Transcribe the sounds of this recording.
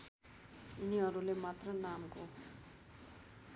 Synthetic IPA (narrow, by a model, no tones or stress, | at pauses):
iniʌɾulemat̪rʌnamko